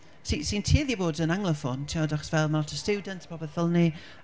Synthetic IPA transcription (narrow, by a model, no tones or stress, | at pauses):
sisintʰiːðiboːdənaŋlˠəfɔntʰiɔdaχsvɛlˠmalɔtʰəstuːdəntʰpʰɔbɛθəlˠni